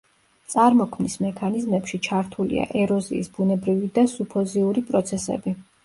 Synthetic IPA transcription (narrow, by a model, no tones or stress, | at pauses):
t̪sʼaɾmɔkʰmnismɛkʰanizmɛpʃit͡ʃʰaɾt̪ʰulḭa̰ʔɛɾɔzḭːsbunɛbɾivid̪asupʰɔziuɾipʼɾɔt̪sʰɛsɛ̰bi